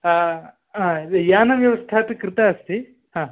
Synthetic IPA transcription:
a | ajaːnɐʋjɐʋɐst̪ʰaːt̪ikɾɪt̪aɐst̪i | ɦãː

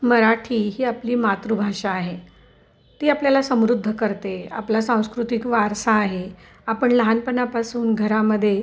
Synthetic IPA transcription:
məɾaʈʰiːɦiːapliːmat̪ɾubʱaʂaːɦe | t̪iːapljalasə̃mɾud̪ʱːəkəɾt̪ea̰plasãw̃skɾut̪ikʋaɾsaːɦe | apəɳləɦanpənapasuːnɡʱəɾaməd̪ʱːje

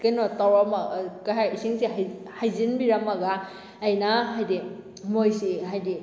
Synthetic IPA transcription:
kajnotawɾamakaɦajisiŋsiɦa | hajzinbiɾɐmɐɡaː | jnaɦajdi | mojsiɦajdi

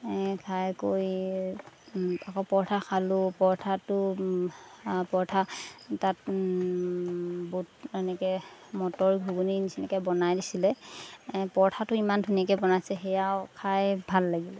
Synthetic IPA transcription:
kʰajkoj | akɔpɔɹtʰaxʰalʊpɔɹtʰatʊ | pɔɹtʰatat̚ | butɛnɛkɛmɔtɔɹɡʱuɡuninisinɛkɛbɔnajdisilɛ | pɔɹtʰatʊimandʰʱuniakɛbɔnajsɛxɛjawkʰajbʱalːaɡilɛ

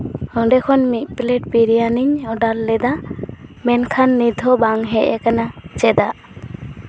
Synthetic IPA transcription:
ɔɖɛkʰɔnmit̪̚ˀplɛʈ̚piɾijaniɲɔɖalːɛd̪amɛnkʰanːid̪ʱɔbaŋɦɛʔɛkanat͡ʃɛd̪aʔ

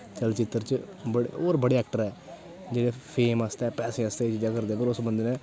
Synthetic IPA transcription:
t͡ʃəlt͡ʃɪt̪ːəɾt͡ʃbəɽ̰oːɾbəɽeːɛːk̚ʈəɾɛː | d͡ʒeːɽeːpʰeːmaːst̪ɛːpɛːsẽaːst̪eːit͡ʃiːd͡ʒãːkəɾd̪eːpəɾʊsbənd̪eːnɛ̃ː

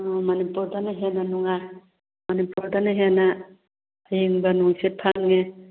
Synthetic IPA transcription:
ɔmanipuɾdanaɦenanuŋaj | manipuɾdanaɦena | ajeŋbanuŋsepʰaŋŋe

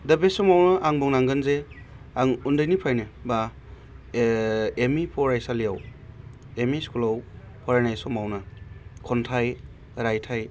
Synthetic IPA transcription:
dɐbesɔmawnɯʔaŋbɔŋnaŋɡɯnze | aŋundɯjnipʰajnɯba | emipʰɔɾajsalijaw | emiskulaw | pʰɔɾanajsɔmawnɯkʰɔntʰaj | ɾajtʰaj

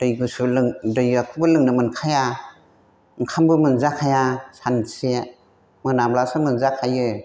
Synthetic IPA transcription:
d̥ɯjɡɯsɯlɯŋdɯjakʰɯbɯlɯŋnɯmɯnkʰaja | ŋkʰambɯmɯnzakʰajasanse | mɯnamblasɯmɯnzakʰajɯ

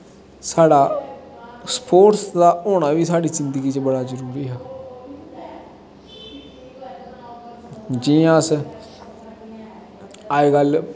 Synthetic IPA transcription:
saːɽaː | spʰoːʈsd̪aːoːɽ̃aːʋiːsaːɽiːzɪnd̪ɡiːt͡ʃbəɽaːzəɾuːɾiːɦaː | d͡ʒiːãəs | aːeːɡəl

